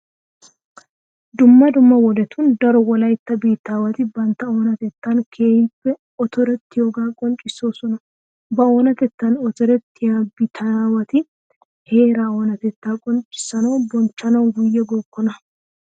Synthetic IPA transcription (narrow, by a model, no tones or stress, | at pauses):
d̪ʊmːɐd̪ʊmːɐwɔlɛt̪ʰʊnd̪ɐɾɔwɔlɐjt̪ːɐbeːt̪ːaːwɐt̪ɪbɐnt̪ɐoːnɐt̪ɛt̪ːankʰe̞ːjɪpːɛ | ɔt̪ɔɾɛt̪ːɪjoːɡaːkʼɔnt͡ʃʼɪsːoːsɔnɐ | bɐoːnɐt̪ɛt̪ːɐnɔt̪ɔɾɛt̪ːɪjaːbɪt̪ʰɐaːwɐt̪ɪ | he̞ːɾaːɔːnɐt̪ɛt̪ːaːkʼɔnt͡ʃʼːɪ̥sːɐno̞ːbɔnt͡ʃːɐnɐwɡʊjːɛɡɔkːɔnɐ